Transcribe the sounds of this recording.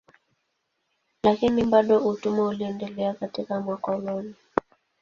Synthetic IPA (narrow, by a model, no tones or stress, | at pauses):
lakinimbaɗɔutumauliɛndɛlɛakatikamwakɔlɔni